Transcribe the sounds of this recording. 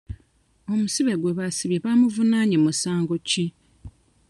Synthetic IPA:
o̞musiβe̞ɡweβasiβjeβamuvunaːɲemusaːŋɡo̞ci

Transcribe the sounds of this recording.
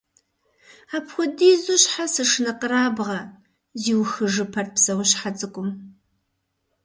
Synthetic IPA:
aːpxʷʊdiːzʊɕħasɨʂɨnɐqəɾaːbʁɐ | ziːwxɨʐɨpʰɐrt̚psɐwʊɕħat͡sʼɨkʷʼʊm

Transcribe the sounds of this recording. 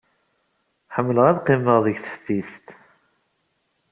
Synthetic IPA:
ħəmːələʁæðqiməʁðəʝθə̥fθist̪

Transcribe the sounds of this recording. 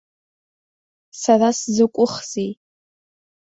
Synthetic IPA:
saraszɨkʷʼʊχz̥iː

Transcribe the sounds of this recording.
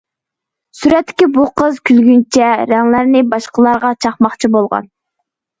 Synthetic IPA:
syɾɛt̪ʰːɪ̥kʲibuqəzkʲʰylɡʲynt͡ʃʰɛɾɛŋlæɾnɪbɑʃqəlˠɑɾʁɑt͡ʃʰɑχmɑχt͡ʃʰibolˠʁɑ̰n

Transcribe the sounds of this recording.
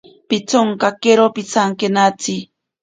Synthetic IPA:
pit͡soŋkakeɾopit͡saŋkenat͡si

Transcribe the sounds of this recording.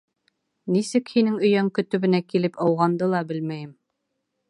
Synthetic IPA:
nisɘkhinɘŋɵ̆jæŋkɵ̆t̪ɵ̆βɘ̆nækilɘpɑwʁɑnd̪ɤlˠɑbɘlmæjɘm

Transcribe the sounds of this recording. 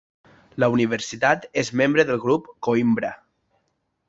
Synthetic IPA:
ləuniβ̞əɾsit̪at̪ezmembɾəðəlˠɣɾupkoimbɾə

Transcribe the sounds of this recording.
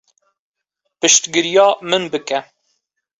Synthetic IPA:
pɨʃt̪ɡɨɾjɑːmɨnbɨkɛ

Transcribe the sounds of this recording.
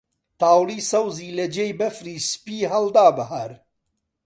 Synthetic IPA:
t̪aːwliːsɐwziːlɐd͡ʒejbɐfɾiːspiːɦɐld̪aːbɨɦaɾ

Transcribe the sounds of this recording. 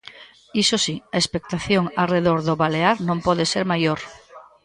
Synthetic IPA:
isosiaespek̚t̪aθjoŋareðoɾðoβaleaɾnõmpɔðeseɾmajoɾ

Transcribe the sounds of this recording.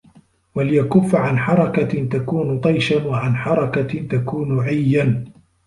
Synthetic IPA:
walɪjakʊfːaʕanħɑɾˤɑkat̪akuːnʊt̪ˤɑjʃanwaʕanħɑɾˤɑkat̪akuːnʊʕajːan

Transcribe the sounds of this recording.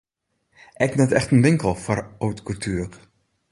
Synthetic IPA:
ʔɛknɛtɛxtənʋɪŋkəlˠfɔrowtkʊltʰyːk

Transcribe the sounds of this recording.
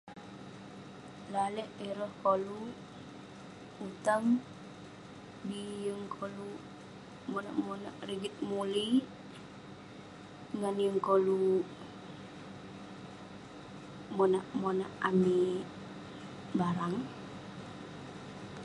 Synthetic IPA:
lalɛʔiɾɔhkolu | ut̪aŋ | bijəŋkʰolu | mɔna̰ʔmonaʔɾiɡit̪̚muli | ŋanjəŋkolu | mɔnaʔmonaʔami | baɾaŋ

